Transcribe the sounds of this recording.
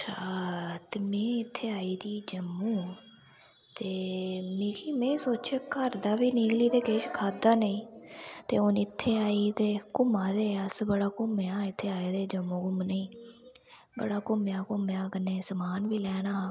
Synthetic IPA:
ʃʰaːt̪eːmẽːɪt̪ʰːeːaːiːd̪iːd͡ʒəmːũː | t̪eːmĩːkʰiːmɛ̃ːsoːt͡ʃəkəɾd̪aːʋiːniːɡliːt̪eːkeːʃkʰaːd̪aːnəĩːt̪eːʊnɪt̪ʰːeːaːiːt̪eːkʊmaːd̪eːəsbəɽaːkʊmjaːɪt̪ʰːeːaːeːd̪eːd͡ʒəmːũːkʊmnəĩː | bə̰ɽaːkʊmjaːkʊmjaːkəneːsəmaːnʋiːlɛːnaː

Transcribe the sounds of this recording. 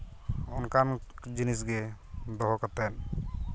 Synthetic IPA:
ɔnkand͡ʒinisɡɛ | d̪ɔɦɔkat̪ɛn

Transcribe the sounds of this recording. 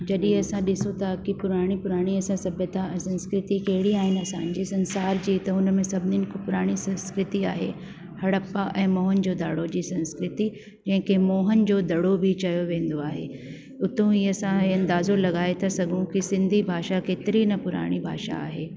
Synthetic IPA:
d͡ʑɐɗĩɐsãɗɪsũt̪ɐkipʊɾaːɽ̃ipʊɾaːɽ̃iɐsãsɐbət̪aɛ̃sɐ̃nskɾɪt̪ikɐɦɪɽiaːɦɪnɪɐsãːn̆d͡ʑiːsɐ̃nsaːɾd͡ʑiːt̪ɐʊnmẽsɐbʱɪnɪnɪ̆kʰopʊɾaːɽ̃isɐ̃nskɾɪt̪ia̰ːɦḛ | hɐɽəpaʔɛ̃ːmɔːɦənɪ̆d͡ʑoːd̪aːɽod͡ʑiːsɐ̃nskɾɪt̪i | d͡ʑɐ̃ɦɪ̃kʰemɔːɦənɪ̆d͡ʑoːd̪ɐɽobʱɪt͡ɕɐjoʋẽːn̆d̪oaːɦḛ | ʊt̪ũiɐsãiɐ̃nd̪aːzolɐɠaːet̪ʰɐsɐɡʱũkisɪ̃nd̪ʱibʱaːʃakeːt̪ɪɾinɐpʊɾa̰ːɽ̃ibʱa̰ːʃa̰a̰ːɦeː

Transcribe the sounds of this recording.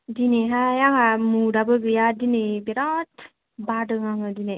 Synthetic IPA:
dineɦajaŋamudabəɡɯjadinebiɾɔt̪ | badɯŋaŋɯdine

